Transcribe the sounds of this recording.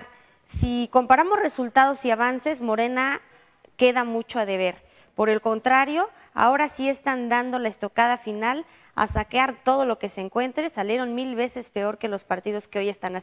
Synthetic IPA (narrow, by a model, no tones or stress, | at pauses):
siko̞mpaɾamo̞sre̞sult̪að̞o̞siaβ̞anse̞zmo̞ɾe̞na | ke̞ðamut͡ʃoaðe̞β̞e̞ɾ | po̞ɾe̞lko̞nt̪ɾaɾjo̞ | a̰o̞ɾasie̞st̪and̪and̪o̞laest̪o̞kað̞afinal | a̰sakeaɾt̪o̞ðo̞lo̞ke̞seːŋkwe̞nt̪ɾesalje̞ɾo̞nmilβe̞se̞spe̞o̞ɾke̞lo̞spaɾt̪ið̞o̞skeo̞je̞st̪ana